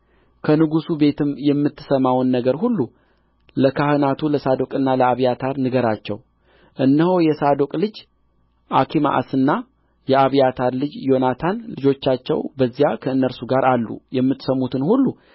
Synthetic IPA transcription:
kʰənɨɡusube̞t̪ʰɨmjɛmːɨt̪ʰːɨ̥səmawnːəɡəɾɦulːu | ləkʰahɨnat̪ʰuləsad̪o̞kʼɨnːaləaβijat̪ʰaɾnɨɡəɾat͡ʃːɛ̰w | ʔɨnːəhojɛsad̪o̞kʼlɨd͡ʒ | ʔakʰima̰ʔa̰sɨnːa | jɛaβijat̪ʰaɾlɨd͡ʒjo̞nat̪ʰanlɨd͡ʒo̞t͡ʃːat͡ʃːɛ̰wbəzːijakʰəɨnːəɾsuɡaɾʔalːṵjɛmːɨt̪ːsəmːut̪ʰɨnhulːu

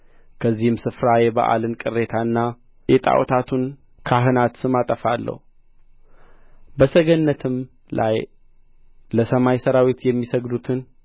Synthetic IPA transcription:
kʰəzːihɨmsɨfɾajɛba̰ʔa̰lɨnkʼɨrːe̞t̪ʰaɨnːa | jɛt̪ʼa̰wt̪ʰat̪ʰun | kʰaɦɨnat̪sɨmat̪ʼəfalːə̰hu | bəsəɡənːət̪ʰɨm | lʔa̰j | ləsəmajsəɾawet̪jɛmːisəɡd̪ut̪ʰɨn

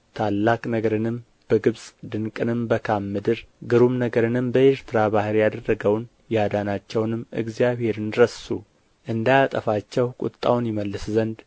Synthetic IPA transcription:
t̪ʰalːakʼnəɡəɾɨnɨm | b̥əɡɨβsʼd̪ɨŋkʼɨnɨmbəkʰamːɨd̪ɨɾɡɨɾumnəɡəɾɨnɨmbəeɾt̪ʰɨɾabahɨɾjad̪ərːəɡəwn | jɛad̪anat͡ʃːɛwnɨmːɨ̰ɡzijaβhe̞ɾɨnɾəsu | ʔɨnd̪ajat̪ʼəfat͡ʃːɛwkʼʊ̰t̪ʼːa̰wnjɪməlːɨszənd̪

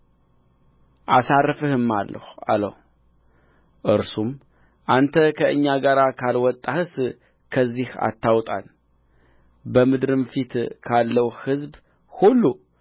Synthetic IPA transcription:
ʔasarːfɨhɨmːalːə̰ha̰lə̰h | ʔɨɾsum | ʔant̪ʰəkʰəʔɨ̰ɲːaɡaɾakʰalwɔt̪ʼːahɨs | kʰəzːiha̰t̪ʰːawt̪ʼa̰l | bəmɨd̪ɾɨmfit̪kʰalːəwhɨzb | hulːu

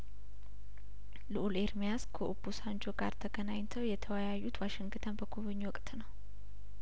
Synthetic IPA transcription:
lɨʔuleɾmijaskʰəʔubusand͡ʒoɡa̰ɾt̪ʰəɡənaɲt̪ʰəwjɛt̪ʰəwəjajːut̪ʰwaʃɪŋɡɨt̪ʰənbəkʰuβɨɲːwɔkʼt̪nəw

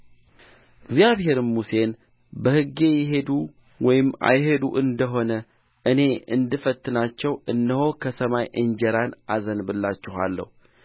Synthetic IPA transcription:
ɡzijaβhe̞ɾɨnmuse̞n | bəhɨɡːe̞jɪɦe̞d̪u | wɔjɪmːa̰jɦe̞d̪uʔɨnd̪əɦo̞nə | ʔɨne̞ɨnd̪ɨfət̪ːɨnat͡ʃːɛwɨnːɨho̞kʰəsəmajʔɨnd͡ʒɛɾanazənbɨlːat͡ʃːɛha̰lːə̰hu

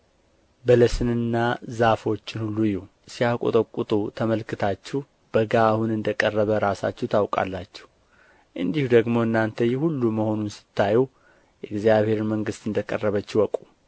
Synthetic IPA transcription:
bələsɨnɨnːazafo̞t͡ʃːɪnhulːujɛ | siakʼo̰t̪ʼəkʼːut̪ʼut̪ʰəməlkʰɨt̪ʰat͡ʃːɛh | b̥əɡaːhunɨnd̪əkʼərːəβəɾasa̰t͡ʃːɛht̪ʰawkʼa̰lːat͡ʃːɛ̥h | ʔɨnd̪ihud̪əɡmo̞ɨnːant̪ʰəjɛhulːuməho̞nunsɨ̥t̪ʰːajɛw | jɛɡzijaβhe̞ɾməŋɡɨst̪ɨnd̪əkʼə̰rːəβət͡ʃːɛwɔkʼu

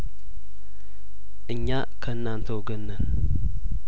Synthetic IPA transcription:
ʔɨɲːa | kʰəɨnːant̪ʰəwɡənːən

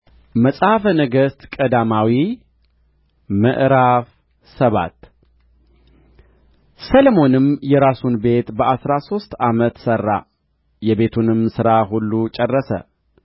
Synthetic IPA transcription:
məsʼhafənəɡəst̪kʼəd̪amawi | məʔɾaf | səβa̰t̪ | səlmo̞nɨmjɛɾasunbe̞t̪bəʔasɾaso̞st̪amət̪sərːa̰ | jɛβe̞t̪ʰunɨmsɨɾaɦulːut͡ʃʼɛrːəsə̰

